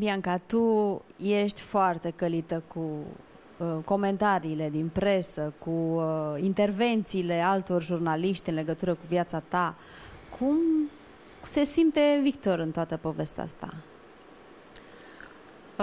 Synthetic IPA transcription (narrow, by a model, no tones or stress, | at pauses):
biaŋkat̪uje̞ʃt̪ʲfoart̪e̞kəlit̪əku | ko̞me̞nt̪aɾiːle̞d̪inpɾe̞səkuint̪e̞rve̞nt̪siːle̞alt̪o̞rʒurnaliʃt̪ʲɨnle̞ɡət̪uɾəkuvjat̪sat̪a | kʰum | se̞simt̪e̞vik̚t̪o̞ɾɨnt̪oat̪əpo̞ve̞st̪a̰a̰st̪a̰